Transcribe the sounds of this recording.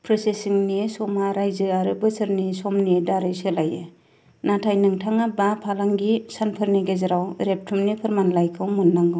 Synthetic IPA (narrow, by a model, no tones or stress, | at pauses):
pʰɾɔsesiŋnisɔmaɾajzɯaɾɯbɯsɯɾnisɔmnidaɾɯjselajḛ | natʰajnɯŋtʰaŋabapʰalaŋɡisanpʰɯɾniɡezaɾawɾep̚tʰumnipʰɯɾmanlajkʰɯwmɯnːaŋɡɯ